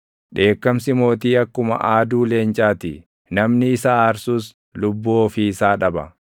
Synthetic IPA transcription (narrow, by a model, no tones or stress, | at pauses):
ᶑe̞ːkːɐmsɪmo̞ːt̪iːɐkːʊmɐ̰ʔaːd̪uːle̞ːnt͡ʃʼaːt̪ɪ | nɐmnɪːsaːɾsuːs | lʊbːuɔfiɪsaːᶑɐbɐ̰